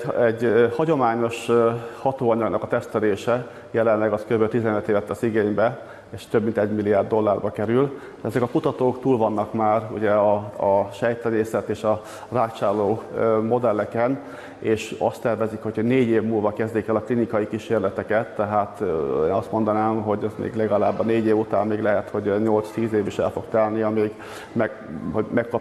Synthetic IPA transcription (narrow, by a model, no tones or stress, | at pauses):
ɛɟhɒɟo̞maːɲo̞ʃhɒt̪oːɒɲɒɡnɒkɒt̪ɛst̪ɛleːʃɛ | jɛlɛnlɛɡɒskøbølt̪izɛnøt̪eːvɛt̪ːɛsiɡeːɲbɛ | eːʃt̪øbmint̪ɛɟmilːiaːrd̪ːo̞lːaːrbɒkɛɾyl | d̪ɛzɛkɒkut̪ɒt̪oːkt̪uːlvɒnːɒkmaːrṵɟɛɒɒʃɛjt̪lɛneːsɛt̪eːʃɒ | raːkt͡ʃaːrlːoːmo̞d̪ɛlːɛkɛn | eːʃɒ̰st̪ːɛrvɛzikho̞chneːɟeːvmuːlvɒkɛzd̪eːkɛlɒklinikɒjikiʃeːrlɛt̪ɛkɛt̪ːɛɦaːt̪ḛːnɒst̪mo̞nd̪ɒnaːmɦo̞ɟɛzmḛːɡlɛɡɒlaːbːɒneːɟeːvut̪a̰ːmːeːɡlɛɦɛt̪ho̞ɟɲo̞lt̪st̪iːzeːviʃɛ̰lfo̞ɡ̥̚t̪ɛlniɒmiːɡ | mɛ | ɦomɛkkɒ